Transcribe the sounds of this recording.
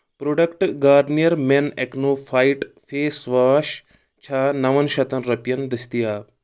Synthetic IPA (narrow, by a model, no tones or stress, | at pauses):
pɾoɖɐkʈɡaːɾɖnijɐɾmeneknoːfʰaiʈ | fʰeːsʋaːʃ | t͡ʃʰaːnɐʋɐnʃɐt̪ɐnɾɐpjɐnd̪ist̪ijaː